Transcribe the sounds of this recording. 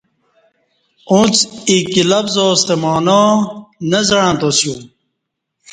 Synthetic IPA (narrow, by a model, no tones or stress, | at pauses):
ũt͡sikilɐfzoːst̪emɑːnaːnɐzɐɻãːt̪osjũ